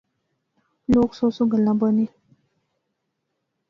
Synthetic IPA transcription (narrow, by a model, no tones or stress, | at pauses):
loːksosoɡəlãbəni